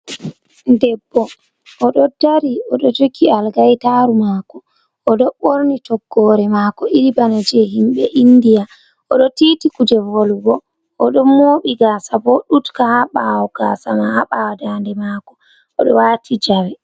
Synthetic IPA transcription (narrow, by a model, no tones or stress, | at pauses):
ndɛbːɔ | ʔɔɗɔdaɾiɔɗɔtokʰːialɡajtaɾumaːkɔː | ɗɔɓoɾnitɔɡːɔɾɛmaːkɔiɾibanad͡ʒɛɦimɓɛʔindija | ɔɗɔtitikud͡ʒɛvolɡɔ | ʔɔɗɔmoːɓiɡaːsabɔɗutkahaɓawɔɡ̥aːsamahaɓawadandɛmaːkɔ | ɔɗɔwatʰid͡ʒawɛ